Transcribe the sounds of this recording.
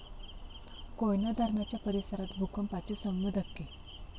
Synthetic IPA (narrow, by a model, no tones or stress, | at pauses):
kojnjad̪ʱaɾɳat͡ɕjapəɾesəɾat̪bʱukʰəmpat͡ɕesəmːud̪ʱəkːe